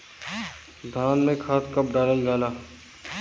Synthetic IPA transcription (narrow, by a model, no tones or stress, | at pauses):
d̪ʱaːnmẽkʰaːt̪kəp̚ɖaːlaːiɡaːlaː